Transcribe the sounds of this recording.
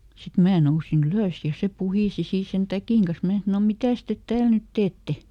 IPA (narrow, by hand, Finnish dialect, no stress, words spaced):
sit mæː nousin yløˑs jɑ se puhiˑsi siː sen tækiˑŋ kɑs mæː sɑno mitæˑs tet tæːl nyt teːtːe